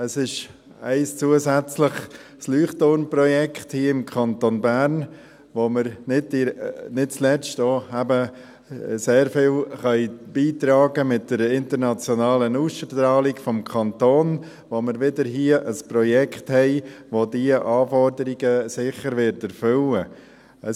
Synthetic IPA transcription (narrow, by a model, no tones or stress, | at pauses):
əsɪʃ | æɪst͡suəzæt͡sləχ | slyːχtoɾnprɔjɛkχthiəɪmkʰɑntonbæːɾn | ʋoməɾnɪdinɪt̚t͡slɛt͡stoːæbə | seːɾfɪlχœʏb̥iːt̪ɾɑːɡəmɪt̚d̥əɾɪntəɾnɑt͡sjɔnɑːlənusʃətɾɑːlikfɔmkʰɑnt̪oːn | ʋoməɾʋɪdəɾɦiəʔəspɾɔjɛkχthɛɪʋodiəʔɑːfɔɾdəɾiɡəsɪχəɾʋɪɾtæɾfʏlə | ə